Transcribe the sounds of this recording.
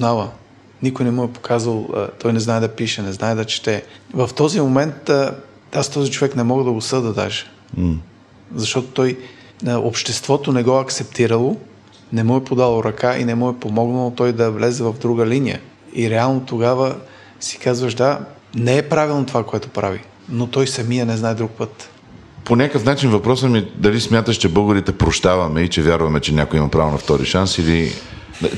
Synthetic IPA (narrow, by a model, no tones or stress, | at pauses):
znavə | nikojnɛmuɛpo̥kʰazvəl̰ˠt̪ɔjnɛznaɛd̪ɐpiʃɛnɛznaɛd̪ɐt͡ʃɛ̥t̪ɛvɐft̪ɔzimomɛnt̪ | ast̪ɔzit͡ʃovɛknɛmɔɡəd̪ɐɡosɤd̪əd̪a̰ʒɛ̥ | zɐʃt̪ɔt̪o̥t̪ɔj | ʔopʃt̪ɛst̪vɔt̪onɛɡɔɐkt̪sɛpt̪iɾəlˠo | nɛmuɛpod̪alˠoɾɐkaʔḭnɛmuɛpomɔɡnɐlˠot̪ɔjd̪ɐvlɛzɛvɐvd̪ɾuɡəlinijə̰ | iɾɛalˠnot̪oɡavə | si̥kazvəʒd̪a | nɛɛpɾavilˠnot̪ovakoɛt̪o̥pɾavi | not̪ɔjsɐmijənɛznaɛd̪ɾuk̚pət̪ | ponʲakəfnat͡ʃinvɐpɾɔsəmid̪ɐlismʲjat̪əʃt͡ʃɛbɤɡoɾit̪ɛpɾoʃt̪avɐmɛit͡ʃɛvʲjaɾvɐmɛt͡ʃɛnʲakoiimɐpɾavonɐft̪ɔɾḭʃansilḭ